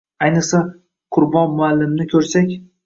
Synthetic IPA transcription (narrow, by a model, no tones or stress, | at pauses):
ajnɨqsa | qʰʊɾbɒnmʊalːɪmnɪkʰɵɾsakʲ